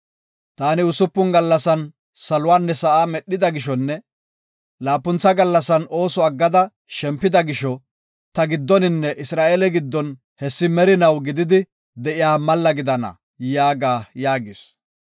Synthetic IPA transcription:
t̪aːnɪʊsʊpːʊnɡɐlːɐsɐn | sɐlʊwaːnːɛsɐʔaːmɛɗːɪd̪ɐɡɪʃ̬ɔnːɛ | laːpːʊnt͡sːɐɡɐlːɐsɐno̞ːsɔɐɡːɐd̪ɐ | ʃɛmpːɪd̪ɐɡɪʃɔ | t̪ɐɡɪd̪ːɔnɪnːɛʔɪsɾaːʔelɛɡɪd̪ːɔn | hɛsːɪmɛɾɪnɐwɡɪd̪ɪd̪ɪ | d̪ɛʔɪjaːmɐlːɐɡɪd̪ɐnɐ̰ | jaːɡaːjaːɡɪs

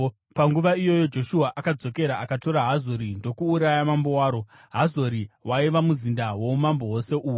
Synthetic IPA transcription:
paŋɡuʋaijo̞jo̞d͡ʒo̞ʃuɦaʔakad͡zo̞ke̞ɾaʔakato̞ɾaɦazo̞ɾindo̞kuːɾajamambowaːɾo̞ | ɦazo̞ɾiwaiʋamuzindawo̞umambo̞ɦose̞ʔuːwu

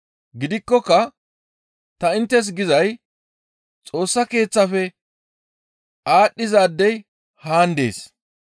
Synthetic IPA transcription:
ɡɪd̪ɪkːɔkːɐ | t̪ɐɪnt̪ːɛs̬ɡɪzɐj | t͡sʼo̞ːsːɐke̞ːt͡sːɐfɛ | ʔaːɗːɪzaːd̪ːɛj | haːnd̪ḛːs

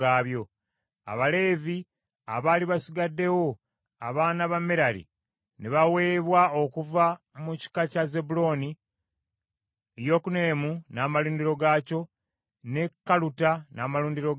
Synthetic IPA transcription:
aːβjo̞ | a̰βale̞ːvi | a̰βaːliβasiɡadːe̞wo̞ | a̰βaːnaβameɾalḭ | neβawe̞ːβwao̞kuva | muci̥kacaze̞bulo̞ːni | ejo̞ːkune̞ːmunaːmaluːndiɾo̞ɡaːco̞ | ne̞kːalutanaːmaluːndiɾo̞

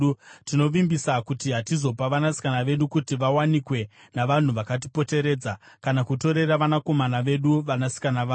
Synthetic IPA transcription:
tino̞ʋimbisakutiɦatizo̞paʋanasi̥kanaʋe̞ɗukutiʋawanikwe̞ | naʋan̤uʋakat̬ipo̞te̞ɾe̞ːd͡za | kanakuto̞ɾe̞ɾaʋanako̞manaʋe̞ɗuʋanasi̥kanaʋaː

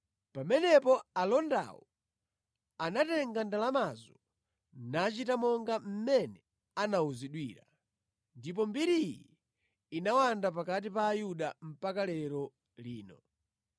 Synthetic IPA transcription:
pamɛnɛpɔalɔnda̰wɔ | anatɛŋɡandalamazɔ | nat͡ʃitamɔŋɡam̩mɛnɛ | anauziɗwiːɾa | ndip̬ɔmbiɾijiː | nawandap̬akat̬ipaːjuɗam̩pakalɛɾɔ | liːnɔ

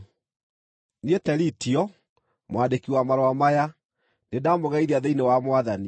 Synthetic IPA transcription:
nietɛɾitiɔ | mwandekiwamaɾoamaja | nedamoɣaiðeaðeinewamwaðani

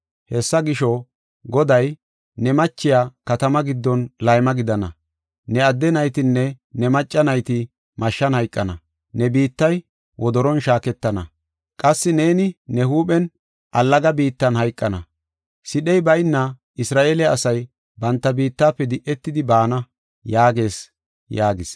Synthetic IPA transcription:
hɛsːɐɡɪʃɔ | ɡɔd̪ɐj | nɛmɐt͡ʃːɪjaːkɐt̪ɐmɐɡɪd̪ːɔnlɐjmɐɡɪd̪ɐnɐ | nɛɐd̪ːɛnɐjt̪ɪnːɛ | nɛmɐt͡ʃʼːɐnɐjt̪ɪ | mɐʃːɐnhɐjkʼːɐnɐ | nɛbiːt̪ːɐj | wʔɔd̪ɔɾɔnʃaːkɛt̪ːɐnɐ̰ | kʼɐsːɪne̞ːnɪnɛɦuːɓɛn | ʔɐlːɐɡɐbiːt̪ːɐnhɐjkʼːɐnɐ̰ | sɪɗɛjbɐjnːɐ | ʔɪsɾaːʔeːlɛɐsɐj | bɐnt̪ːɐbiːt̪ːaːpːɛd̪ɪʔɛt̪ːɪd̪ɪbaːnɐ | jaːɡe̞ːs | jaːɡɪs

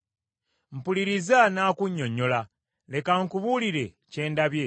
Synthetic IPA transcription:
m̩puliɾizanaːkuɲːo̞ɲːo̞la | le̞kaŋkuβuliɾe̞ | ce̞ːndaβje

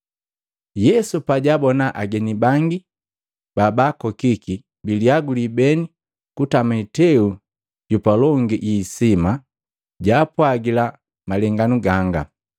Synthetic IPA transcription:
jɛsupaɟabɔnaʔaɡɛnibaŋɡi | b̥abakɔkiki | biliaɡulibɛni | kutamɛtɛu | ɟupalɔŋɡiʔisima | ɟaːpwaɡila | malɛŋɡanuɡaŋɡa̰

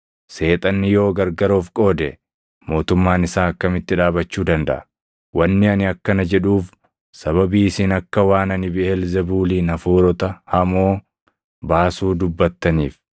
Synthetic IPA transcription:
se̞ːt̪ʼɐnːɪjoːɡɐɾɡɐɾoːfkʼo̞ːd̪ɛ | mo̞ːt̪ʊmːaːnɪsaːɐkːɐmɪt̪ːɪᶑaːbɐt͡ʃːuːd̪ɐnd̪ɐʔɐ̥ | wɐnːɪɐnɪɐkːɐnɐd͡ʒɛᶑuːf | sɐβɐbiːsinɐkːɐwaːnɐnɪbɪɛlzɛbuːliːnɐfuːɾɔt̪ɐhɐmo̞ː | baːsuːd̪ʊbːɐt̪ːɐniːf

